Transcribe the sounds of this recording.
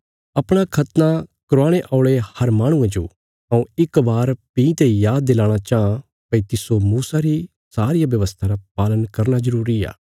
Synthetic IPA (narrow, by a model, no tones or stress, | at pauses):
ɐpɽ̃akʰɐt̪nakɾoaːɽ̃eʔaʊɭehɐɾmaːɽ̃ʊ̃ẽd͡ʒo̰ː | ɐũɪkbaːɾpĩːt̪ejaːd̪ːeːlãːɽ̃at͡ʃaã | pɐit̪ɪsomuːsaɾi | saːɾɪjaʋjɐʋəst̪ʰaɾap̚aːlənkɐɾnazɐɾuːɾia̰ː